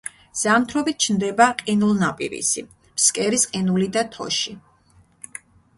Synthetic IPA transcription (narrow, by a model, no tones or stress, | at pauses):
z̥amt̪ʰɾɔbit̪̚t͡ʃʰnd̪ɛbaqʼinulˠnapʼḭɾḭsḭ | mskʼɛɾisqʼinulid̪at̪ʰɔ̰ʃi